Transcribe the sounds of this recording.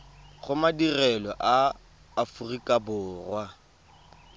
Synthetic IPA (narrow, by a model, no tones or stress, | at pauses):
χʊmadirɛlɔʔaː | furikʼabʊːrwa